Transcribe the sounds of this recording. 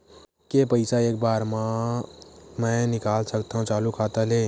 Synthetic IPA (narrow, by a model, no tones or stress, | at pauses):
kepəɪsaeːk̚baːɾmã | mɛ̃nɪkaːlsəkt̪aɦũt͡ʃaːlukʰaːt̪aleː